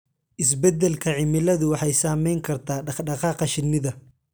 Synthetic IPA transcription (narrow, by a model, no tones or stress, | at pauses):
ʔɪs̬bɛd̪ɛlkʰɐʕɪmɪlɐðʊwɑħɑjsaːmɛjŋkʰɐrt̪ʰaːɖɑɖɑqɑːqɐʃɪnːɪðɐ